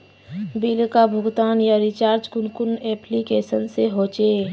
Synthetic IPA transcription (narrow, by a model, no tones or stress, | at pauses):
bilkabʱʊɡt̪aːnjaɾɪt͡ʃaːɾd͡ʒkʊnkʊnɛːplikeːsənseɦoːt͡ʃe